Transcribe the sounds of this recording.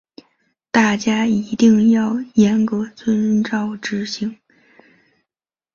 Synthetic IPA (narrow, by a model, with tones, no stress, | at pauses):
t̪a˥˩t͡ɕja˥i˧˥t̪i˥˧ŋjɑ˥˩ʊjɛ˧˥nkɤ˧˥t͡swə˥nʈ͡ʂɑ˥˩ʊʈ͡ʂɻ̩˧˥ɕi˧˥ŋ